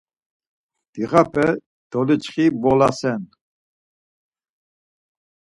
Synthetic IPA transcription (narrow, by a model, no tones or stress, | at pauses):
d̪̥iʁapʰɛ | d̪̥ɔlit͡ʃχibɔlasɛn